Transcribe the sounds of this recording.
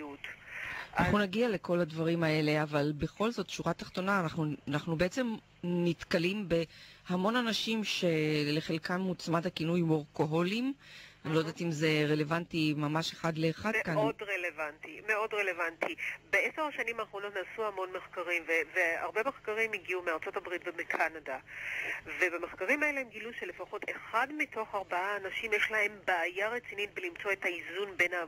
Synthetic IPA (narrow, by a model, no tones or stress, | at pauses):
utanaaχnunaɡiale̞ko̞ladvaʁimae̞le̞avalbe̞χo̞lzo̞t̪ːʃuʁat̪aχt̪o̞naːnaχnunaχnube̞et͡sem | nitkalimbe̞hamo̞nanaʃimʃe̞le̞χe̞lkanmut͡smadakinujmoʁko̞ɦo̞limanilo̞jd̪at̪imze̞ʁe̞le̞vantimamaʃeχadle̞ːχadkanodʁelevantimeo̞dʁe̞le̞vantʰibeeseʁaʃanimaːχʁo̞no̞tnaːsuhamo̞nme̞χkaʁimvevea̰ʁbeme̞χkaʁimiɡiumeaʁt͡so̞tabʁitvemekʰanada | ve̞bameχkaʁimaeleemɡiluʃe̞lefaχo̞tʰeχadmitʰoχaʁbaaːnaʃimjeʃlaɦe̞mbaːjaʁet͡sinit̚belimt͡so̞ethaizunbe̞na